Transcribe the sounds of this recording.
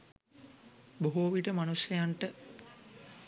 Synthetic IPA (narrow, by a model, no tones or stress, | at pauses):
boɦuʋiʈəmanusjɐjaɳʈə